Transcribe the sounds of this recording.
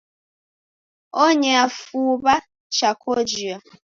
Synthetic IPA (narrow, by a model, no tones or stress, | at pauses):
oɲɛafuba | t͡ʃakʰod͡ʒia